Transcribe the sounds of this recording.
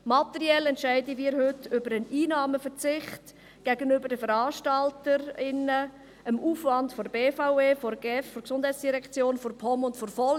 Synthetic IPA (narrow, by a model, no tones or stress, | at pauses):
mɑtɛɾiɛlɛntʃɛɪdəmiːɾhʏtʏbəɾəniːnɑːməfəɾt͡sɪχt | ɡ̥ɛɡənʏbəɾdəfəɾɑːʃtɑltəɾɪnə | əmuːfvɑntfɔɾbeːfaʊeːfɔɾɡɛffɔɾksʊnd̥hɛɪt͡sd̥iɾɛkt͡sjoːnfɔɾpʰɔmʊntfɔɾfɔl